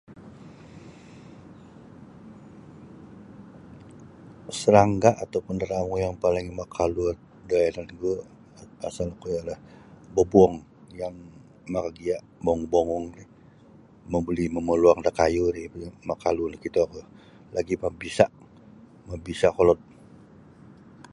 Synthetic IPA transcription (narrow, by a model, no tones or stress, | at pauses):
səɾaŋɡaʔat̪awpʊndəɾamujaŋpalɪŋmakʰaluət̪̚daananɡu | asalakujalahbəbuɔŋjaŋ | makaɡiaʔbɔɔŋboŋɔŋnɪ | məbəliməməluaŋd̪akajuɾimakalunkit̪aku | lʔaɡimabisaʔ | mabisakolɔt̪̚